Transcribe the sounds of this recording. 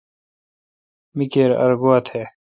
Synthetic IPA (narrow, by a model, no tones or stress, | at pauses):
mikeːɾɐ̰ɾɡoɐt̪ʰheː